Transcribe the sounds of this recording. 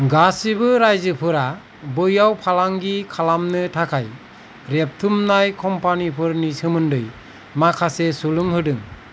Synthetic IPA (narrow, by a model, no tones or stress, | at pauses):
ɡasibɯɾajzɯpʰɯɾa | bɯjawpʰalaŋɡikʰalamnɯtʰakʰaj | ɾep̚tʰumnajkʰɔmpanipʰɯɾnisʰɯmɯndɯj | makʰasesuluŋɦɯdɯŋ